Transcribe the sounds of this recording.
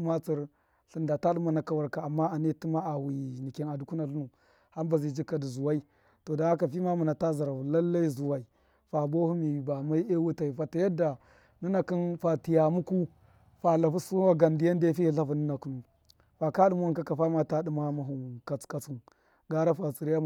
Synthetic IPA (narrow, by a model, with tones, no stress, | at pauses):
ma˦t͡si˨ɾ | ɬi˦nda˨ta˦ɗu˦ma˨na˨ka˦wa˨ɾka˨a˨mːa˦a˨ne˦ti˦ma˦a˨hi˨ni˨ki˦na˨du˦ku˦na˨ɬu˦nu˨ | ha˦mba˨zi˨d͡ʒi˦kːa˨di˨zu˨wa˦i˦ | to˨da˨˦a˦ka˨fi˦ma˦mu˨na˨ta˦za˨ɾa˨vu˨la˦lːa˦i˦zu˨wa˨i˨ | fa˨bo˦hu˦mi˨ba˨ma˦i˦e˦wu˦ta˨i˨fa˨ta˨ja˦da˨ | ni˦na˨ki˦nfa˨ti˨ja˨mu˦ku˦ | fa˨la˨fu˦su˦wa˦ɡa˨ndi˨˦ja˦n˦de˦fi˦i˦ɬa˦vu˨nu˦na˨ku˨nu˨ | fa˨ka˦ɗu˦ma˦u˦˨ka˦ka˨fa˦ma˦ta˦ɗi˦ma˦ma˨ɦu˨nka˨t͡ska˨t͡su˦n | ɡa˦ɾa˦fa˨t͡si˨ɾi˦ja˦